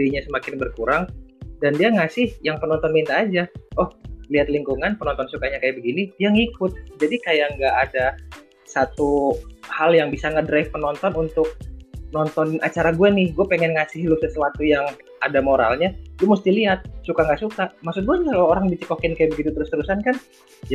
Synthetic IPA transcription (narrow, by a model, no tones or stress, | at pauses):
iɲasəmakɪnbərkuɾaŋdandiaŋasɪhjaŋpənɔnt̪ɔnmint̪aːd͡ʒaɔhliɦat̪liŋkuŋanpənɔnt̪ɔnsukaɲakajabəɡiniijaŋikʊt̪̚d͡ʒadikajaŋɡaʔːda | sat̪uhaljaŋbisaŋədɾaifpənɔnt̪ɔnunt̪ʊk̚nɔnt̪ɔna̰t͡ʃaɾaɡuanɪhɡuapeŋɛnŋasɪhlʊsəsəwat̪ujaŋ | adamoɾa̰lɲalumust̪iliat̪̚sukaŋɡaʔsukamaksʊt̪̚ɡuaɲaklooɾaŋdit͡ʃəkɔkɪnkajabəɡit̪ut̪əɾʊst̪əɾusankan | d͡ʒ